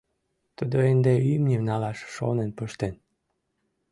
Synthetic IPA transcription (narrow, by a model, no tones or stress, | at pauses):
t̪əd̪oend̪eymnʲimnɑlɑʃʃo̰nenpəʃt̪en